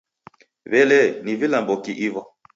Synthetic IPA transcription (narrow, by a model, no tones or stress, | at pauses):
βɛlɛnivilambɔkiʔivɔ